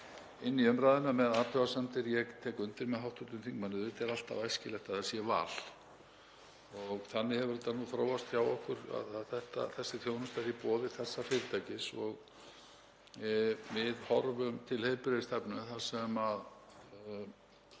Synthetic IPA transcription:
ɪnːiœmɾaːðɪnamɛðaːt̪ʰœvasamt̪ɪɾjɛɣt̪ʰɛːkʏnt̪ɪɾmɛðɦawht̪ʏt̪ʏmθiŋkmanːʏðɪt̪ɛɾal̥t̪a̰vajscɪlɛht̪aðasjɛva̰ːl̥ | ɔɣθanːɪhɛvʏɾɛt̪ːanuθɾoːwvast̪çjawɔhkʏɾa̰ðaðθɛht̪a̰θɛsːɪθjoːwnʏst̪aɾipɔːðɪθɛsːafɪːɾɪt̪ʰajcɪsɔɣ | mɪðhɔɾvʏmt̪ʰɪlhejɾpɪɾɪðɪst̪ɛpnʏθasɛmað

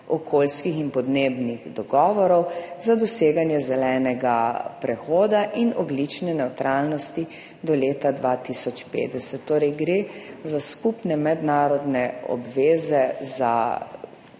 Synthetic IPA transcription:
ɔkʰolskixinpɔd̪neːbniɣd̪ɔɡɔːʋɔɾɔwzad̪ɔseːɡanjɛzɛlɛːnɛɡapɾɛxoːd̪aʔinɔɡlit͡ʃnɛnɛwt̪ɾʔaːlnɔst̪i | d̪ɔleːt̪ad̪ʋat̪isɔt͡ʃpḛːd̪ɛsɛt̪ːoːɾɛjɡɾezaskupnɛmɛd̪naːɾɔd̪nɛɔ̰bʋeːzɛza̰

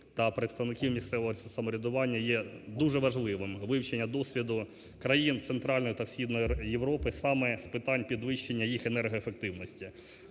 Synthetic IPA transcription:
t̪ɐpɾet̪st̪ɐʋnɪkʲiwmʲist̪sɛʋɔɦɔsɐmɔɾʲid̪ʊʋɑnʲːɐjɛd̪uʒɛʋɐʒlˠɪʋɪmʋɪwt͡ʃenʲːɐd̪ɔsʲʋʲid̪ʊ | kɾɐjint̪sent̪ɾɑlʲnɔjit̪ɐsʲxʲid̪nɔjjeʋɾɔpɪsɑmɛspɪt̪ɑnʲpʲid̪ʋɪʃt͡ʃenʲːɐjixenɛrɦɔefek̚t̪ɪwnɔsʲtʲi

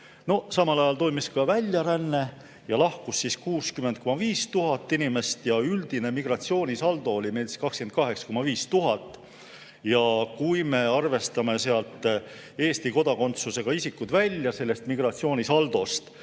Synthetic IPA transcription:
no̞sɑmɑlɑjɑlt̪o̞jmiskɑvælʲːjɑɾænːe̞ | jɑlɑhkusːiskuːskyment̪̚ko̞mɑviːst̪uɦɑt̪ːinime̞st̪jɑyld̪̥ine̞miɡ̥rɑt̪sio̞ːnʲisɑld̪o̞olʲimeli̥skɑkskenkɑɦe̞ksɑ̥ko̞mɑviːst̪uɦɑt̪ːˑ | jɑkujme̞ɑrve̞st̪ɑme̞se̞ɑlt̪ːˑ | e̞ːst̪iko̞d̪ɑko̞nt̪suse̞ɡ̥ɑisikːˑut̪vælʲjɑse̞lːest̪miɡ̥rɑt̪sio̞ːnʲisɑld̪̥o̞st̪

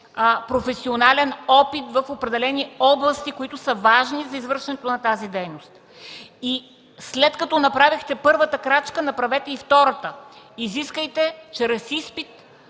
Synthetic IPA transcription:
pɾofɛsionalɛnɔpit̪vɐfopɾɛd̪ɛlɛniɔblˠɐst̪ikoit̪ʊsəvaʒnizɐizvɤɾʃɛnɛt̪onɐt̪azid̪ɛjnost̪ | i | slɛt̪kɐt̪ɔnɐpɾavixt̪ɛpɤɾvət̪əkɾat͡ʃkənɐpɾɐvɛt̪ɛift̪ɔɾət̪ə | iziskəjt̪ɛt͡ʃɛɾɐsispit̪̚

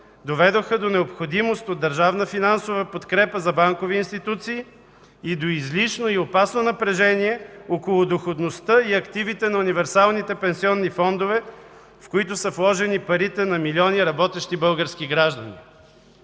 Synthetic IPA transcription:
d̪ovɛd̪oxəd̪onɛopxod̪imost̪od̪ːɐɾʒavnəfinansovəpot̪kɾɛpəzɐbaŋkoviːnst̪it̪ut̪siː | d̪oizliʃnoiopasnonɐpɾɛʒɛniɛokolˠʊd̪oxod̪nost̪əiɐkt̪ivit̪ɛnɐunivɛɾsalˠnit̪ɛpɛnsiɔnːifɔnd̪ovɛ | fkoit̪ʊsəflˠɔʒɛnipɐɾit̪ɛnɐmiliɔniɾɐbɔt̪ɛʃt̪ibɤlˠɡəɾsk̟iɡɾaʒd̪ɐnḭ

